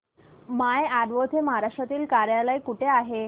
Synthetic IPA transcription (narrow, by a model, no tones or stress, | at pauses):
majaɾʋot̪ʰeməɦaɾaʂʈɾat̪iːlkaɾjalajkuʈʰeaɦe